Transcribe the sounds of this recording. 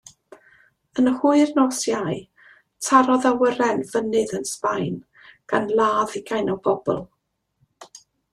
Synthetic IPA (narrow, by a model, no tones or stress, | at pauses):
ənəhuɨrnɔsjaj | tʰaɾɔðawəɾɛnvənɨðənspajn | ɡ̥anlˠaːðɪɡajnɔbɔbɔ̰lˠ